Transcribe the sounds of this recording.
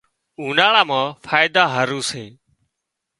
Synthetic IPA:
uːnaːɭaːmãːfʰaːjd̪aːɦəɾuːsẽː

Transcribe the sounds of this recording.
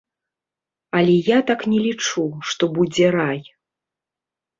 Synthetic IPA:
ɐlʲɛjat̪aknʲɛlʲit͡ʂuʂt̪ɔbud͡zʲɛɾaj

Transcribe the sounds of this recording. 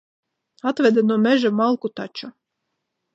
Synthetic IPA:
at̪vʲɛd̪anuɔmɛʒamalˠkut̪at͡ʃu

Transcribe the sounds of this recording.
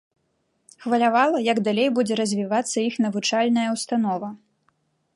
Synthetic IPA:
xvɐlʲavalˠɐjɐɡd̪alʲejbud͡zʲɛɾɐzʲvʲivat̪sːɐixnɐvut͡ʂalʲnɐjɐwst̪anɔvɐ

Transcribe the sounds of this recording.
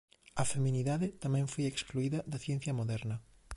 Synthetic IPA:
ɐfemĩniðaðɪt̪amɛ̃ŋfojekskluiðɐðɐθjɛn̟θjɐmoðɛɾnɐ

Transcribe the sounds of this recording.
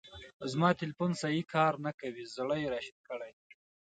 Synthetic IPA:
zmɑt̪ɪlfunsɑjikʰɑɾnakawizɽəjeɾɑʃid̪̚kəɽaj

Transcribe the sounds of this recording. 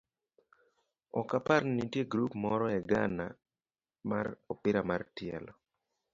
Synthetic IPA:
ɔkapaɾnitjeɡɾupmɔɾɔɛɡa̰na | ma̰ɾɔpɪɾamartjɛ̰lɔ

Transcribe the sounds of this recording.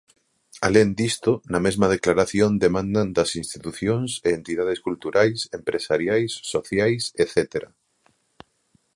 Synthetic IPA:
alend̪ist̪onɐmezmɐð̞eklaɾaθjond̪emãnd̪and̪ɐsĩnst̪it̪uθjõŋseːnt̪iðað̞eskult̪uɾajsempɾʔesaɾjajsːoθjajseθet̪eɾa

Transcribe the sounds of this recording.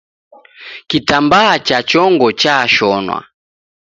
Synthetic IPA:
kitambaːt͡ʃat͡ʃɔŋɡɔt͡ʃaʃɔnwa̰

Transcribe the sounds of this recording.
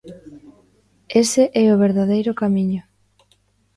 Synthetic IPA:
eseʔɛoβ̞eɾðaðejɾʊkamiɲʊ

